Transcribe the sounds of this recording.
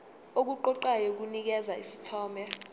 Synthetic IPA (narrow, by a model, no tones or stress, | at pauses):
ok̬uǃɔǃajok̬unik̬ɛzaisitʰɔːmbjɛ